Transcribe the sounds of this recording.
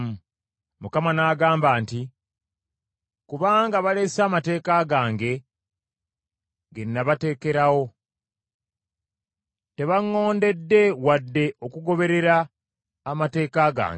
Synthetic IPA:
m̩ | mukamanaɡaːmbaːnti | kuβaːŋɡaβale̞saːmate̞ːkaɡaːŋɡe̞ | ɡenːaβate̞ːke̞ɾawo̞ | te̞βaŋːo̞ːnde̞dːe̞wadːe̞o̞kuɡo̞βe̞ɾe̞ɾaː | mate̞ːkaːɡa̰ːŋɡe

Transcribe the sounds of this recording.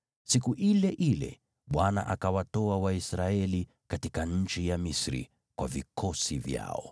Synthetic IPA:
sikuʔilɛʔilɛ̰ | ɓwana̰ʔakawatɔawaisɾaɛli | katikaɲ̩t͡ʃijamisɾḭ | kwavikʰɔsivja̰ɔ̰

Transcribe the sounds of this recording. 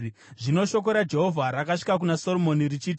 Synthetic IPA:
ʐino̞ʃo̞k̬o̞ɾad͡ʒe̞ɦo̞vʱaɾakaʂi̥kak̬unaso̞lomo̞nirit͡ʃiːti

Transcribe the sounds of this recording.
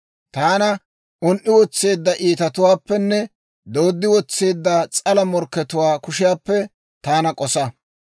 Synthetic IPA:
t̪aːnɐ | ʔʊnʔɪwɔt͡sːe̞ːd̪ːɐʔiːt̪ɐt̪ʊwaːpːɛnːɛ | d̪o̞ːd̪ːɪwɔt͡sːe̞ːd̪ːɐt͡sʼɐlɐmɔɾkːɛt̪ʊwaːkʊʃɪjaːpːɛ | t̪aːnɐkʼɔsɐ

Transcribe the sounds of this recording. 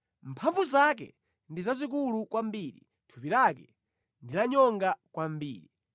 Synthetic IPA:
mpʰaɱvuzak̬ɛ̰ | ndizazik̬ulukwambiːɾi | tʰupiɾakɛ | ndilaɲɔŋɡakwambḭːɾi

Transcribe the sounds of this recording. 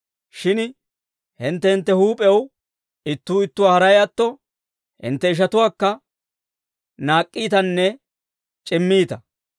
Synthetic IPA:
ʃɪn | hɪnt̪ːɛhɪnt̪ːɛhuːpʼɛw | ɪt̪ːuːɪt̪ːʊwaːhɐɾɐjɐt̪ːɔ | hɪ̰nt̪ːɛɪʃ̬ɐt̪ʊwaːkːɐ | naːkʼːiːt̪ɐnːɛ | t͡ʃʼɪmːiːt̪ɐ

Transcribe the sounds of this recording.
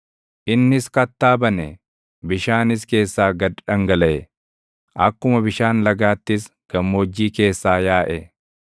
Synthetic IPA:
ʔɪnːɪskɐt̪ːaːbɐnɛ | bɪʃaːnɪs̬ke̞ːsːaːɡɐdᶑɐŋɡɐlɐʔɛ | ʔɐkːʊmɐbɪʃaːnlɐɡaːt̪ːɪs | ɡ̥ɐmːo̞ːd͡ʒːiːke̞ːsːaːjaːʔɛ

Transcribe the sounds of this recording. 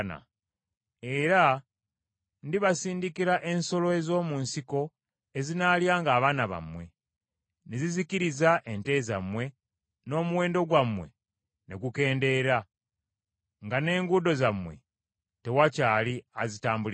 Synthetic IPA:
na̰ | eɾa | ndiβasiːndikiɾaʔe̞nso̞lo̞e̞zo̞ːmunsiko̞ | e̞zinaljaːŋɡaːβaːnaβa̰mwe̞ | neziziciɾizaʔe̞nte̞za̰mwe̞ | no̞ːmuwe̞ːndo̞ɡwamwe̞̰ | ne̞̰ɡuke̞ːnde̞ɾa | ŋɡane̞ːŋɡudo̞zamwe̞̰ | te̞wacaːliazitaːmbuli

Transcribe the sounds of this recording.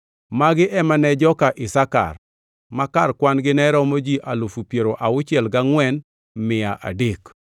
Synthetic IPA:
maɡɪʔɛmanɛd͡ʒɔkaʔɪsaka̰r | makarkwanɡɪnɛɾɔmod͡ʒiʔalufupjeɾoʔaʊt͡ʃɪɛlɡaŋwɛn | mɪaʔa̰dek

